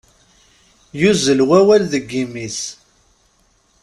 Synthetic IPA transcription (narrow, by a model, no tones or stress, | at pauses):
juzəlwæwælðəɡːimis